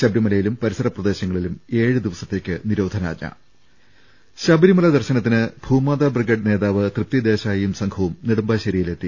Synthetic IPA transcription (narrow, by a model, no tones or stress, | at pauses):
ɕɐbɾimɐlɐjilumpɐɾisɐɾɐprɐd̪e̞ːɕɐŋːɐɭilume̞ːɻɨd̪iʋɐsɐt̪ːe̞ːkʲːɨniɾo̞ːd̪ʱɐna̰ːd͡ʑːa̰ | ɕɐbɾimɐlɐd̪ɐrɕɐnɐt̪ːinɨbʱuːmaːd̪abrɨɡɐɖne̞ːðaːʋɨt̪rɨp̚t̪ːjid̪eːɕaːjɐjumsɐŋɡʰɐʋumniɽumbaːɕɐɾijile̞t̪ːi